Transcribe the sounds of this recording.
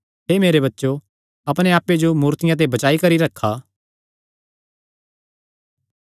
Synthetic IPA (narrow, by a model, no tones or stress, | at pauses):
ɦeːmeːɾebɐtːʃo | ɐpɽ̃ẽaːpːed͡ʒomuːɾt̪ɪjãt̪̬ebɐt͡ʃaːikɐɾiɾɐkʰːaː